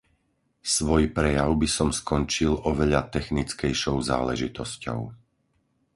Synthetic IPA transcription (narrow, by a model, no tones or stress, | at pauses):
sʋɔjpɾɛjaʊbisɔmskɔnt͡ʃilɔʋɛʎat̪ɛxnit͡skɛjʃɔʊza̰ːlɛʒit̪ɔscɔ̰ʊ